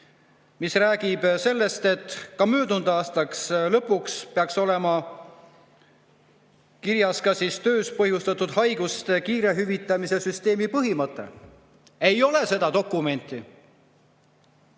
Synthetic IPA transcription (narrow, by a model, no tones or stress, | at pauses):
misræːɡ̥ib̥se̞lːe̞st̪e̞t̪kɑmøːd̪und̪̥ɑːst̪ɑkslɤpːukspeɑkso̞le̞mɑ | kiɾjɑskɑsist̪ø̞ːspɤhjust̪ɑt̪ːˑud̪̥hɑjɡ̥ust̪ekiːɾe̞ɦyvit̪ːˑɑmise̞syst̪e̞ːmipɤɦimɤt̪ːˑe̞̰ | e̞jo̞le̞se̞d̪̥ɑd̪o̞kːˑume̞nʲt̪ːˑi